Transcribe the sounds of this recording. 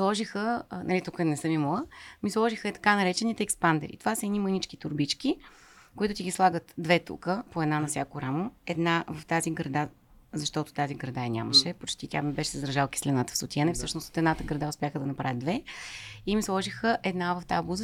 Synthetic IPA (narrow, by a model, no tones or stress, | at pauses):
slˠɔʒixənɐlit̪ukɛnɛsɤmimoəmislˠɔʒixəɛt̪ɐ̥kanɐɾɛt͡ʃɛnit̪ɛːkspand̪ɛ̰ɾḭt̪ovasəɛd̪nimənit͡ʃkit̪ʊɾbit͡ʃkʲikoit̪ʊt̪iɡʲislˠaɡət̪d̪vɛt̪ṵkəpoɛd̪nanɐfsʲjakoɾamoɛd̪navɐft̪aziɡɾɐd̪a | zɐʃt̪ɔt̪ʊ̥t̪aziɡɾɐd̪aɛnʲa̰məʃɛpot͡ʃt̪it̪ʲjamibɛʃɛzɾɐʒalˠki̥slɛnat̪ə̥fsot̪iɛnəfsɤʃnʊst̪o̥t̪ɛd̪nat̪əɡɾɐd̪aʊspʲjaxəd̪ɐnɐpɾavʲəd̪vɛ | imislˠɔʒixəʔɛd̪navɐft̪abuzə